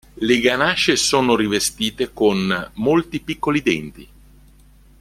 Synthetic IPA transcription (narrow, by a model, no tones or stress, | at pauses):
leɡanat͡ʃesoːnoɾivest̪iːt̪ekonmolt̪ipikːolid̪ɛnt̪i